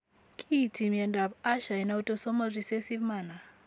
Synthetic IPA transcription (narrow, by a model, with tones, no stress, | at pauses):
kʰʼi˦˨tʰi˨mjɛ˨nda˨pa˦ʃa˨i˨na˦u˦tɔ˦sɔ˦ma˦ɾi˨se˦si˦vma˨na˨